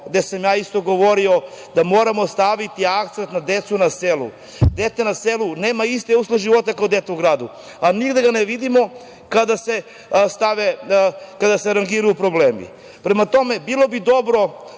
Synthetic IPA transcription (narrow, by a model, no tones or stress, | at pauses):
ɡd̪e̞samjaːist̪o̞ɡo̞ʋo̞ɾio̞ | d̪amo̞ːɾamo̞st̪aʋit̪iak̚t̪sent̪nad̪et̪sunaselṵ | d̪et̪senaseluneːmaist̪eusleʒiʋo̞t̪akaod̪et̪euɡɾaːd̪u | aniɡd̪eɡaneʋid̪imo̞ | kad̪ase | st̪aʋekad̪aseɾaŋɡiɾajupɾo̞bleːmḭ | pɾemat̪o̞me̞bilo̞bid̪o̞bɾo̞